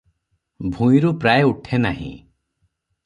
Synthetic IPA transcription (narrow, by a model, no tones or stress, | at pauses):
bʱũj̃ɾupɾaeuʈʰenaɦḭ̃